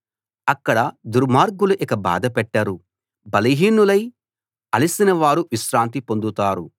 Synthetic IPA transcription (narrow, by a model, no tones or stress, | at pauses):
ɐkːɐɽɐd̪uɾmaːɾɡuluʔikɐba̰ːd̪ɐpɛʈːaːɾu | bɐlɐɦiːnulɐj | ɐlisinɐʋaːɾuʋiʃɾaːnt̪̬ipo̞nd̪ut̪aːɾu